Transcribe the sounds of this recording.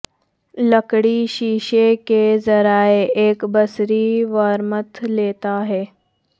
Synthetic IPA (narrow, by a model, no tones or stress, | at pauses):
ləkɽiɕiːʃekezɐɾaːeeːkbəsɾiʋəɾmət̪ʰleːt̪aɦɛː